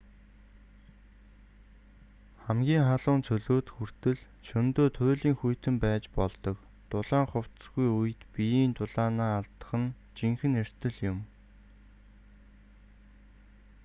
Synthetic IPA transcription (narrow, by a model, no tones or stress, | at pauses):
χæmɡʲiːŋχaɮʊːnt͡sʰɵɮoːt̪xur̥t̪ɘ̆ɮ | t͡ɕʰɵnt̪oːt̪ʰʊɮiːŋxujt̪ɘ̆mpæːt͡ɕpɔɮt̪ɞ̆k | t̪ʊɮaːŋχʊw̥t̪sɡujuj̆t̪pijiːnt̪ʊɮaːnaːɮt̪ə̥̆χə̆n | t͡ɕiŋxɘ̆ner̥t̪ɘ̆ɮjʊm